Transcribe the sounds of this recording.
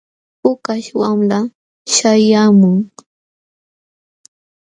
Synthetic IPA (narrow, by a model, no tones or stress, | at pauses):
ʊkaʃwamla | ʃajamʊŋ